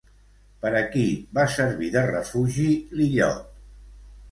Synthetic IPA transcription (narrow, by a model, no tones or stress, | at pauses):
pəɾəkiβasəɾβiðərəfuʒiliʎɔ̰t̪̚